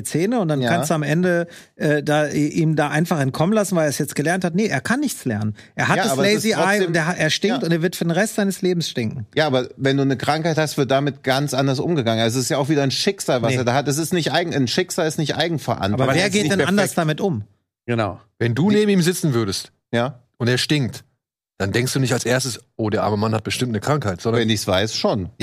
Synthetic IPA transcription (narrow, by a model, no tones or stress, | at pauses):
it͡seːnəʊntd̥ananstd̥uamʔɛndə | ʔɛːdaːʔʔiːmdaːʔaɪnfaχɛnt̚kʰɔmənlasn̩vaɪleɐɛsjɛt͡stɡ̥əlɛɐnthatnəʔeːɐkʰanːɪçt͡slɛɐnənʔeːɐɦataːbɐleɪsziaɪːʊnteːɐɦʔeːɐʃtɪŋktʊnteːɐvɪɐtfyːɐdeːnʁɛstz̥aɪnəsleːbm̩sʃtɪŋkŋ̩jaːaːbɐvɛnduːnəkʁ̥aŋkhaɪthastv̥ɪɐt̚d̥amɪtɡ̥ant͡sʔandɐsʔʊmɡəɡaŋənazoɪstjaaʊxviːdɐnʃɪkz̥aːlvaseːɐdaːhatɛs̬ɪstnɪçtʔaɪɡŋ̩anʃɪkz̥aːlɪstnɪçtʔa̰ɪɡŋ̩fɛɐʔa̰naaɐvːɐɡeːndɛnɛɐaandɐsd̥amɪtʔʊm | ɡ̥ənaʊvɛnduːnneːbm̩iːmzɪt͡sn̩vʏɐɾəst | jaːʔʊnteːɐʃtɪŋ̚t | d̥andɛŋkstd̥uːnɪçtalsʔeːɐstəsʔoːdeːɐʔaɐməmanhat̚b̥əʃtɪmt̚nəkʁ̥aŋkhaɪtz̥ɔndɐvɛndɪçsv̥aɪsʃoːn